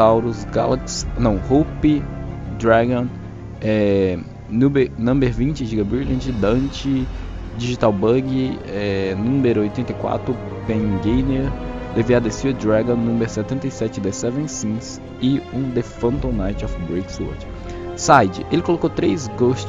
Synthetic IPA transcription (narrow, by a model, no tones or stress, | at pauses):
awɾusɡa̰laksnɐ̃w̃hupɪd̪ɾaɡõn | ɛ | nũmenɐ̃mbeɾvĩnt͡ʃɪʒiɡɐbɾilɐ̃nt͡ʃɪd̪ɐ̃t͡ʃɪ | d͡ʒiʒit̪awbɐɡɪɛnũmeɾʊojt̪ẽnt̪ejkwa̰t̪ɾʊ | pẽnɡejneɾd̪eviad̪esiɐd̪ɾaɡõnũmbeɾsɛt̪ẽnt̪ɐjsɛt͡ʃɪd̪esɛvẽsĩs | ɪũd̪efɐ̃nt̪õnajt͡ʃɔfbɾejkso̰t͡ʃɪ̥ | sajd͡ʒɪ̰ʔelɪkolokowt̪ɾejzɡoʃt͡ʃ